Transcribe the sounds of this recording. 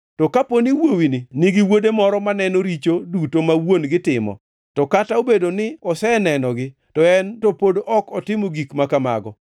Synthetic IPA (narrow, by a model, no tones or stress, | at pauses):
tɔkaponiwowinɪnɪɡɪwodemɔɾɔmanɛnoɾit͡ʃodutomawonɡɪtɪmɔ̰ | tɔkataobedonɪɔsɛnɛnɔɡɪ | tɔɛntopodɔkɔtɪmoɡikmakama̰ɡɔ̰